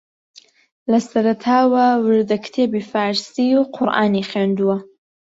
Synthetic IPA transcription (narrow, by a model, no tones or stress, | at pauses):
lɐsɐɾɐt̪ʰaːwɐwɨɾd̪ɐkʰt̪ʰeːbifaːɾsiːuqʰʊɾʔa̰ːniχeːnd̪uwɐ